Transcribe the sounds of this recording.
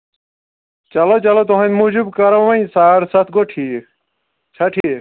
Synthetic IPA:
t͡ɕɐlot͡ɕɐlot̪̬oɦɐnmud͡ʑubkɐɾɐʋɐĩsaːɾsɐt̪ʰɡoʈʰiː | t͡ɕʰɐʈʰi

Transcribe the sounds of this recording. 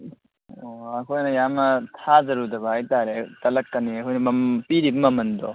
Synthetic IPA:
oɐkʰojnɐjamnɐtʰazɐɾudɐbɐajtaɾetɐlɐkːɐniɐkʰɔjnɐmɐmpiɾibɐmɐmɐndɔ̰

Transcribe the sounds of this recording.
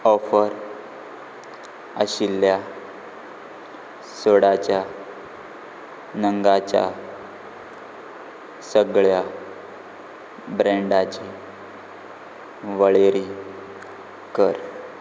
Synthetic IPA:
ɔfəɾ | əɕilːja | soɽat͡ɕja | nəŋɡat͡ɕja̰ | səɡɭja | bɾẽɳɖat͡ɕi | ʋəɭeɾi | kəɾ

